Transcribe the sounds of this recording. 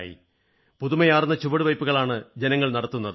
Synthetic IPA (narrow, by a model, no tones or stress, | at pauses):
jḭ | puðumɐjaːrnːɐt͡ɕuʋɐɽuʋɐjpːuɣɐɭaːɳɨd͡ʑe̞nɐŋːɐɭnɐɽɐt̪ːunːɐðɨ